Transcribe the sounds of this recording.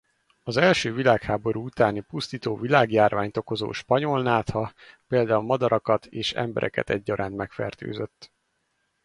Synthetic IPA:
ɒzɛlʃøːvilaːkhaːbo̞ɾuut̪aːnipust̪iːt̪oːvilaːɡjaːrvaːɲt̪o̞ko̞zo̰ːʃpɒɲo̞lnaːt̪hɒpeːld̪aːulmɒd̪ɒɾɒkɒt̪ʰeːʃɛ̰mbɛ̰ɾʔɛ̰kɛ̰t̪ɛɟːɒɾʔaːnt̪mɛkfɛ̰rt̪ø̰ːzøt̪ː

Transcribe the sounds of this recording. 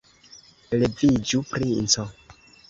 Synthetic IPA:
levid͡ʒupɾint͡sɔ

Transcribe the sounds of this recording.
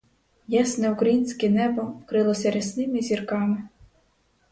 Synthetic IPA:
jɛsnɛwkɾɐjinʲsʲkɛnɛbɔwkɾɪlˠɔsʲɐɾʲɛsnɪmɪzʲirkɑmɪ

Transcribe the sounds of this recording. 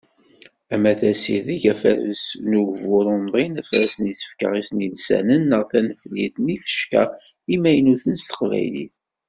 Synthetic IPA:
æmæθæsiðiʝæfæɾəsnuʝvʊɾˤʊmðˤinæfɾæsənisə̥fkə̰ʁisnilsæ̰nənːəʁθænəfliθnifə̥ʃkæ̰ | imæjənuθənst̪ə̥qvæ̰jlḭθ

